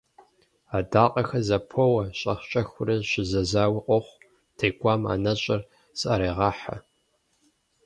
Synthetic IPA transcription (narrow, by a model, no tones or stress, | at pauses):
aːdaːqʼɐxɐzɐpʰowɐɕʼɐχt͡ʃʼɐxʷʊrɐɕɪzɐzaːwɪqʷʼɔχʷ | tʰeːkʷʼaːma̰ːnɐɕʼɐr | sɐɾeːʁɑːħa̰